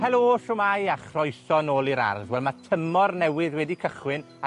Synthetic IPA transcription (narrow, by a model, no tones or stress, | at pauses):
hɛlˠoːʃʊmajaχrɔjsɔnoːlˠiɾa̰rðwɛlˠmatʰəmɔrnɛwɨðwɛdikʰəχwɪn | a